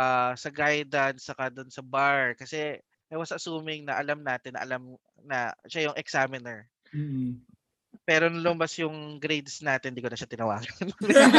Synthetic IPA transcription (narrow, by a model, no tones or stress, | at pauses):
asɐɡajd̪ɐnst͡ʃɐkad̪ʊnsɐbaɹkɐsɛ | ʔɛwɐsʔɐsuːmɪŋnɐʔɐlamnaːt̪ɪnːɐ̰ʔɐ̰lam | nɐʃajʊŋʔɛksamɪnɛɹ̩ | pɛːɾonɐlʊmbɐsjʊŋɡɾejd̪snaːt̪ɪnd̪iːkonɐʃat̪ɪnɐwaːɡɐnn